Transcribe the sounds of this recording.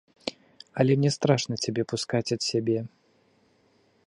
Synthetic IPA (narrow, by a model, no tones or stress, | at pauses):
ɐlʲɛmnʲɛst̪ɾaʂnɐt͡sʲabʲɛpuskat͡sʲɐt̪sʲabʲɛ